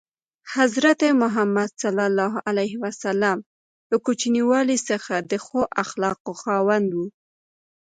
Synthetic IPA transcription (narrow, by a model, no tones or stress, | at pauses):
hazɾat̪emʊɦamːad̪salalːɑɦʔalajɦiwasalam | ləkut͡ʃniwɑlisəxad̪əxoʔaxlɑqoxɑwand̪wu